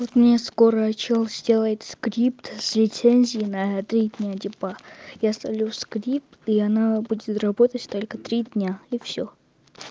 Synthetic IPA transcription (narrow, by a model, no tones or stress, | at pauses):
vot̪mnʲaskoɾəɐt͡ɕelˠzʲdʲe̞lˠəjɪt̪skɾʲip̚t̪sʲlʲɪt̪senʲzʲɪjɪnət̪ɾʲid̪ʲnʲadʲɪpajast̪ɐlʲuskɾʲip̚t̪iɐnabudʲɪt̪rɐbot̪ətʲt̪o̞lʲkət̪ɾʲidʲnʲaifsʲo